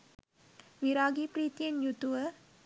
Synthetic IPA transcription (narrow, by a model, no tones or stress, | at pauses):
ʋiɾaːɡipɾiːt̪ijenjut̪uʋə